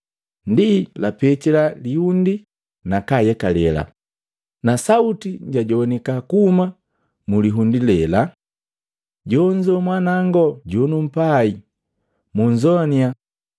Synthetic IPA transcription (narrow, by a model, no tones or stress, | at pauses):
ndilapɛt͡ʃɛlalihundi | nakajɛkalɛla̰ | nasautiɲɟaɟɔnɛkakuːma | muliɦundilɛla | ɟɔɲd͡ʒɔmwanaŋɡɔɟɔnum̩pai | muɲd͡ʒɔnia